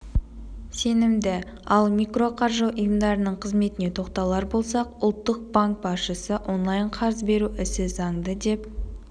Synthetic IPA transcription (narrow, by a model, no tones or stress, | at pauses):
se̞nɪmd̪ɪ | ɑlˠmijkro̞qʰɑɾʒoʔʊjəmd̪ɑɾənəɴqʰəzme̞t̪ɪne̞t̪ʰo̞qt̪ɑlˠɑɾbo̞lˠsɑqʊlˠt̪ːəq̚b̥aŋk̚bɑsʃəsəʔo̞nlˠɑjɴqʰɑɾəzbe̞ɾuʔɪsɪzɑŋd̪əd̪e̞p